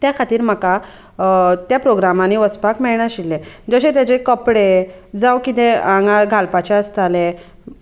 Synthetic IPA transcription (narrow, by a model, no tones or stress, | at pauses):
t̪jakʰat̪iːɾm̤əka | t̪japɾoɡɾamaniʋəspakmɛɭɳjaɕilːẽd͡zəɕẽt̪jat͡ɕekəpɽed͡zawkit̪ẽãŋɡaɭɡʱalpat͡ɕeəst̪ale